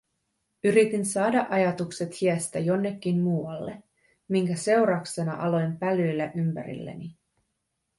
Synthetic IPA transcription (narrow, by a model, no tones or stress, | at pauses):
yɾit̪insɑːdɑʔɑjɑt̪ukse̞t̪hiæst̪æjo̞nːe̞kʲːinmuːwɑlːe̞ | miŋkæse̞wɾɑkse̞nɑ̰ʔɑlo̞jmpælyjlːæʔympæ̰ɾḭlːḛni